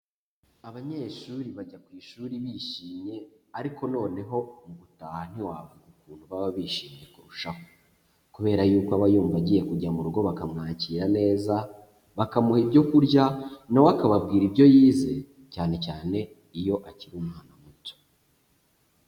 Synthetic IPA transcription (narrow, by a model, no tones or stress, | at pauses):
aβaɲeːʃuːɾiβaɟakwiːʃuːɾiβiːʃiːmɲe̞aɾiko̞no̞ːne̞ɦo̞muβutaːhan̥iwaːβuzukuːnhuβaβaβiːʃiːmɲe̞kuɾuʃaho | kuβe̞ːɾajuːkoaβajuːmvaɟiːje̞kuɟamuɾuɡo̞βakamŋaːciːɾane̞ːza | βakamuhibɟo̞kuɾɟanawakaβabɡiːɾibɟo̞jiːze̞ | caːne̞caːne̞ | ijo̞ʔaciɾumaːnamuto̥